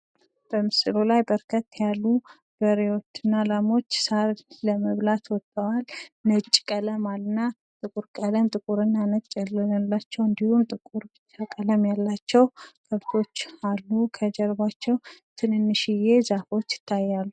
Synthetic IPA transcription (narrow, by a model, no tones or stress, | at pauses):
b̥əmɨslolajbəɾkʰət̪ːjalːu | b̥əɾewot͡ʃːɨnːalamo̞t͡ʃːsaɾləməβlat̪wɔt̪ʼːəwalnət͡ʃʼːkʼələmalnːa | t̪ʼɨkʼuɾkʼələmt̪ʼɨkʼuɾɨnːanət͡ʃʼːɛlalːat͡ʃːɛwɨnd̪ihumt̪ʼɨkʼuɾbɨt͡ʃːakʼələmjalːat͡ʃːɛwɡʰəβt̪ʰo̞t͡ʃːalːukʰəd͡ʒəɾβat͡ʃːɛwt̪ʰɨnɨnːɨʃije̞zafo̞t͡ʃːɪ̥t̪ʰːajːalːu